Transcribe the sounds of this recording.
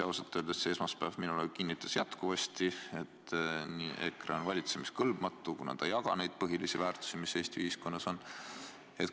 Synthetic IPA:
ɑoset̪ːˑøːld̪̥esse̞ːsmɑspæːvminulekinːit̪ːˑɑ̥sjæt̪kuvɑst̪ie̞t̪ːniːʔḛkreonvɑlʲit̪se̞miskɤlb̥mɑt̪ˑːukunɑ̰ːd̪̥ɑjːɑɡ̥ɑ̰ne̞jd̪̥̚pɤɦilisivæːrt̪u̥simise̞ːst̪iyhisko̞nːɑso̞n | e̞t̪

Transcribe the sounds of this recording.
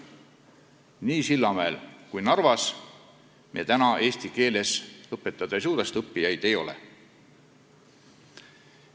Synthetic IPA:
niːsilːɑmæelkujnɑrvɑs | miet̪ænɑʔe̞ːst̪ike̞ːle̞sɤpːˑe̞t̪ːˑɑd̪̥ɑjs̬uːɾest̪ɤpːijɑjd̪e̞jo̞lḛ

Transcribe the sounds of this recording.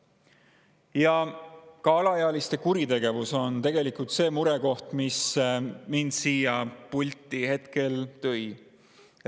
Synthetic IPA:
jɑkɑɑlɑjeɑlist̪e̞kuɾit̪e̞ɡ̥e̞vuso̞nt̪e̞ɡ̥e̞likult̪se̞ːmuɾeko̞ht̪mismind̪siːjɑpulʲt̪ːˑihe̞t̪ke̞lt̪ɤ̞j

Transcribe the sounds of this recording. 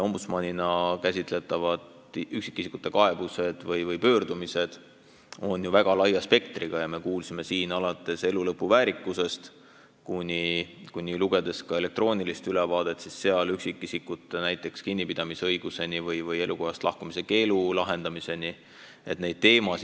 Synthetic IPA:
o̞mbut̪smɑnʲinɑkæsʲit̪ˑle̞t̪ːˑɑvɑd̪ | yksi̥kːˑisikˑu̥t̪ːˑe̞kɑe̞b̥use̞d̪̥vɤjvɤjpø̞ːrd̪̥umise̞d̪̥ | o̞njuvæɡ̥ɑlɑjɑspe̞kt̪riɡ̥ɑjɑme̞kuːlsime̞siːnɑlɑt̪ːˑe̞se̞lulɤpːˑuvæːɾikːˑuse̞st̪ | kunʲikunʲiluɡ̥e̞d̪̥e̞skɑe̞le̞k̚t̪ro̞ːnʲilist̪ylevɑːd̪̥e̞t̪ːˑsisːe̞ɑlyksikˑːisikːut̪ːˑenæjt̪ˑːe̞kskinʲːipid̪̥ɑmisɤ̞jɡ̥use̞nivɤjvɤje̞luko̞hɑst̪lʔɑ̰hkumise̞ke̞ːlulɑɦe̞nd̪ɑmise̞ni | e̞t̪ne̞jd̪̚t̪ːe̞ːmɑs

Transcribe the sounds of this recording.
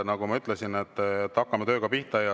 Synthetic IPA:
nɑɡumɑyt̪lesine̞t̪ˑːet̪ːɑkːɑmet̪ø̞ːɡ̥ɑpiht̪ɑjɑ

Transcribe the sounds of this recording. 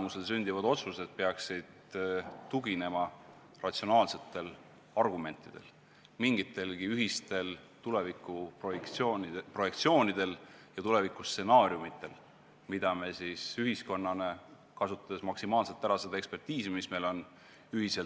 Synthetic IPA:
musels̬ynʲd̪ivɑd̪o̞t̪suse̞d̪̥̚peɑksid̪̥t̪uɡine̞mɑ | rɑt̪sio̞nɑːlse̞t̪ːˑe̞l | ɑrɡ̥ume̞nt̪ːˑid̪̥e̞̰l | miŋɡit̪ːe̞lɡiyɦist̪e̞lt̪ule̞vikːˑu | pro̞je̞k̚t̪sio̞ːnid̪̥e̞ljɑt̪ule̞vikusse̞nɑːɾjumit̪ːˑe̞l | mid̪̥ɑmesisyɦisko̞nːɑne̞ | kɑsut̪ːˑɑd̪esmɑksimɑːlse̞t̪ːæɾɑsed̪e̞kspe̞rt̪iːsimisme̞lo̞n | yɦise̞lt̪

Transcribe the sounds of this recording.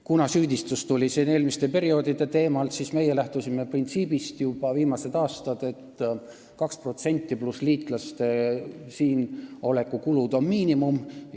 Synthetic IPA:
kunɑsyːd̪ist̪ust̪ulʲisiːne̞ːlmist̪e̞pe̞ɾio̞d̪̥id̪̥e̞t̪e̞ːmɑlt̪sisme̞je̞læht̪usimːe̞print̪siːb̥ist̪jub̥ɑviːmɑse̞d̪̥ɑːst̪ɑd̪̥e̞t̪ː | kɑkspro̞t̪se̞nʲt̪ʲːˑiplusliːt̪ˑlɑst̪e̞siːno̞le̞kːˑukulud̪o̞nmiːnimum

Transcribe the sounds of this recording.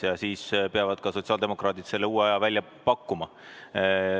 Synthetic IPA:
jɑsiːspeɑvɑd̪̥kɑso̞t̪siɑld̪emo̞krɑːt̪id̪̥se̞lːeuːeɑjɑvælʲjɑ | pɑkːumɑ

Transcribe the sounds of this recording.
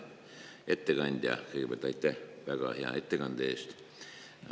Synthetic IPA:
et̪ːeɡ̥ɑnʲd̪̥ʲjɑ̰keɡebelt̪ɑit̪ːehʋæɡ̥ɑheɑ̰et̪ːeɡɑnd̪eːst̪

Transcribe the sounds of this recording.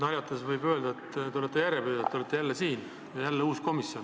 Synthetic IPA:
nɑɾʲjɑt̪ːˑesvɯjbø̞ːld̪ɑet̪ːt̪eolet̪ːˑe̞jæɾebyːd̪ɑt̪ːeolet̪ːˑe̞jælːesiːn | jælːeuːsko̞misjo̞n

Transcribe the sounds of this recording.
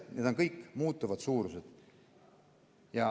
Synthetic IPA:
ned̪o̞nkɤjkːˑmuːt̪ːˑuvɑd̪̥suːɾuse̞d̪̥ | jɑ

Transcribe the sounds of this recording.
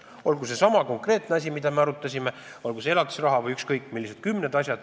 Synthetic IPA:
o̞lɡuse̞sɑmɑko̞ŋkre̞ːt̪ˑneɑs̬ʲimid̪̥ɑmeɑɾut̪ːˑɑsʲime | o̞lɡuseelɑt̪u̥srɑɦɑvɤjykskɤjkːˑmilːised̪̥̚kymːne̞d̪ɑsʲjɑd̪̥

